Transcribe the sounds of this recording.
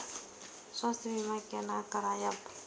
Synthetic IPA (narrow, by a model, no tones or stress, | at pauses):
sɔsimimakɛnakaɾajap